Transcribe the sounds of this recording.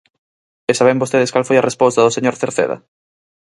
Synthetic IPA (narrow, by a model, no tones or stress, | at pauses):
esaβembost̪eðeskalfojɐrespost̪ɐðʊseɲoɾθeɾθḛðɐ̰